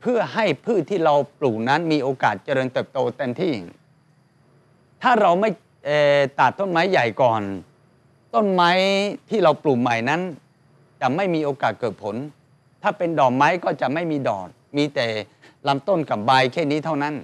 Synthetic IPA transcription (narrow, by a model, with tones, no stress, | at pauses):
pʰɯ˥˩ɐɦa˥˩jpʰɯː˥˩t̪ʰːiː˥˩ɾa˧wpluː˨˩na˦˥nmiː˧ʔoː˧kaː˨˩t̪̚t͡ɕa˧ɾɤː˧nt̪ɤː˨˩p̚t̪oː˧t̪ɛː˧mt̪ʰiː˥˩˨ŋ | t̪ʰaː˥˩ɾa˧wma˥˩j | ʔeː˨˩t̪aː˨˩t̪ːo˥˩nma˦˥jːa˨˩jkɔː˨˩n | t̪o˥˩nma˦˥jt̪ʰiː˥˩ɾa˧wpluː˨˩ma˨˩jna˦˥n | t͡ɕa˨˩ma˥˩jmiː˧ʔoː˧kaː˨˩t̪̚kɤː˨˩t̪̚pʰo˩˦n | t̪ʰaː˥˩pe˧ndɔː˨˩k̚ma˦˥jkɔː˥˩t͡ɕa˨˩ma˥˩jmiː˧dɔː˨˩t̚miː˧t̪ɛː˨˩ | la˦˥mt̪o˥˩nka˨˩p̚baː˧jkʰɛː˥˩niː˦˥t̪ʰa˥˩wna˦˥n